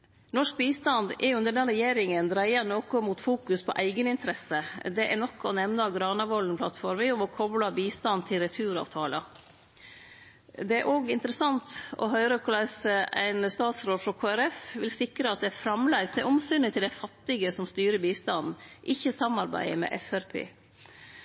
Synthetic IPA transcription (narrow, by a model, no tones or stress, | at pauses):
nɔʂk̚biːst̪ɑnd̪ɛɾjʊʉnd̪əɖɛnɾɛjeːɾɪŋənd̪ɾæɪɑnoːkɔmuːt̪fuːkʉspʰɔʔæɪɡənɪnt̪ʰɾɛsəd̪ɛʔæɳɔkːɔnɛmnəɑʋɡɾɑːnɑʋɔln̩plɑt̪fɔɾmɪʊmɔkʰɔblɑbiːst̪ɑnt̪ʰɪlɾɛt̪ʰʉːɾɑ̰ːʋt̪ʰɑːlə̰ | d̪ɛæɾʔoːɡɪnt̪əɾəsɑnt̪ɔ̰ɦœʏɾəkʰʊlɑsəæɪnst̪ɑːt̪sɾoːd̪fɾɔkʰoːæɾɛfʋɪlsɪkɾəɑt̪̚d̪ɛæfɾɑmlæɪsd̪ɛʔɔmsyːnɪt̪ʰɪld̪æɪfɑt̪ːɪɡəsɔmst̪yːɾəbiːst̪ɑnn̩ʔɪçːəsɑmɑɾbæ̰ɪəmɛ̰ːʔɛfæɾpʰḛː